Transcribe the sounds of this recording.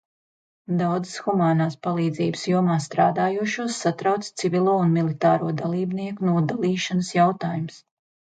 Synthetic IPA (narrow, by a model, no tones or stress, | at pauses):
d̪awd̪zɨsxumaːnaːspalˠiːd̪ziːbɨsjuɔmaːst̪ɾaːd̪aːjuɔʃuɔsːat̪ɾawt̪st̪sivʲilˠuɔunmilˠit̪aːɾuɔd̪alˠiːbniɛkunuɔd̪alˠiːʃanəsjawt̪aːjums